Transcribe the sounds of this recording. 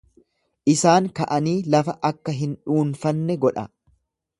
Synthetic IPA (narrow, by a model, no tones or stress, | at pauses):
ʔɪsaːŋkɐʔɐniːlɐfɐʔɐkːɐɦɪnᶑuːnfɐnːɛɡɔᶑɐ